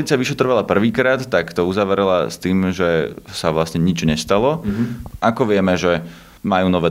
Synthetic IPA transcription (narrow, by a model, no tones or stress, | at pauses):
lit͡sɪaʋiʃɛt̪rɔʋalapr̩ʋiːkɾaːt̪ːakt̪ɔuzaʋɾɛla̰st̪iːmʒɛsaʋlasɲɛɲid͡ʒɲɛst̪alɔʔakɔʋɪɛmɛʒɛ | majuːnɔʋɛː